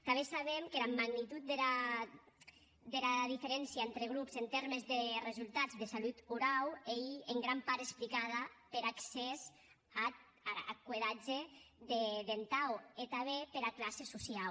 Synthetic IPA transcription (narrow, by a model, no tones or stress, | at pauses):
t̪aβesaβemkelamaɡnit̪ut̪̚d̪ela | d̪elaðifeɾɛnsjaent̪ɾeɣ̞ɾupzent̪eɾmezðerezulˠt̪ad͡zðesalut̪uɾawejeŋɡɾampaɾesplikað̞apeɾaksez | a | aa̰kweðad͡ʒed̪eðent̪awet̪aβepeɾaklasesusial